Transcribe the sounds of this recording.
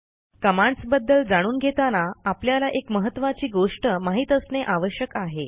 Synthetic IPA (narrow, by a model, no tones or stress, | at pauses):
kəmaɳsbəd̪ːəld͡zaɽ̃uːnɡʱet̪anaapljalaʔekməɦət̪ːʋat͡ɕiːɡoʂʈəmaɦiːt̪əsneʔaʋəɕjəkaɦe